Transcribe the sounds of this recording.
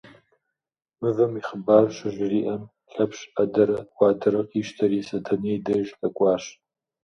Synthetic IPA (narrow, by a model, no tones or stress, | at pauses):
mɨvɐmiχəbaːrɕɐʒriːʔɐm | ɬɐpɕɐdɐɾɐwʷɑːdɐɾɐqʼiːʃtʰɐɾisɐtʰɐneːdɐʒɬʼɐkʷʼɑːɕ